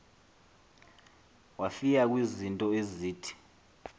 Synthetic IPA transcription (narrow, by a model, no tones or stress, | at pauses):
wafikak̬wizintʼɔeziːtʰi̥